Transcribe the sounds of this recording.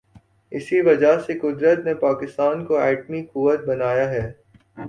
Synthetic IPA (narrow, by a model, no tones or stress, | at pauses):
ɪsiʋɐd͡ʒaɦsekʊd̪ɾət̪nepaːkɪst̪aːnkoɛːʈmikʊʋət̪̚bɐnaːjaɦɛː